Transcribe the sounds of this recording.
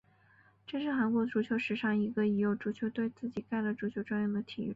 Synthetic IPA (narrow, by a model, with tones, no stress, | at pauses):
ʈ͡ʂɤ˥˧ʂɻ̩˥˩xa˧˥nkwɔ˧˥ʈ͡ʂu˧˥t͡ɕʰjo˧˥ʊʂɻ̩˧˥ʂɑ˥˩ŋi˧˥ɡə˧i˧˥jo˨˩ʊʈ͡ʂu˧˥t͡ɕʰjo˧˥ʊt̪we˥˧ɪt͡sɹ̩˥˩t͡ɕi˨˩ka˥˩ɪlə˩ʈ͡ʂu˧˥t͡ɕʰjo˧˥ʊʈ͡ʂwa˥nɥɛ˥˩nd̪ə˩t̪ʰḭ˨˩˥